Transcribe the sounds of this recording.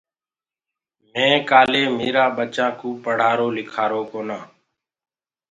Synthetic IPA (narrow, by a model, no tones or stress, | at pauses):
mẽːkaːleːmiːɾaːɓət͡ʃãːkũːpəɽ̤aːɾoːlɪkʰaːɾoːkoːnãː